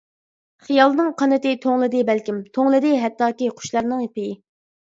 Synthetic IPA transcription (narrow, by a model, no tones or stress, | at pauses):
χijɑlˠnɨŋqʰɑnɨt̪ɪt̪ʰoŋlˠɨd̪ɨbælkʲimt̪ʰoŋlˠɨd̪ɨɦɛt̪ːɑːkʲiqʰʊ̥ʃlˠɑɾnɨŋjipɪjɪ